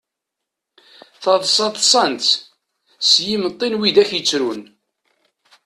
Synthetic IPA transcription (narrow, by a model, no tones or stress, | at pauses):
θɑðˤsˤɑðˤsˤɑnt̪ | sjimət̪ˤːinwid̪æçjət͡sːɾun